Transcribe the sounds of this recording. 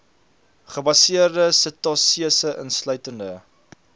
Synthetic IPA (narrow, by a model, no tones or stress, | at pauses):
χəbɐsiərdəsətɑsiəsəʔənslœɥtəndə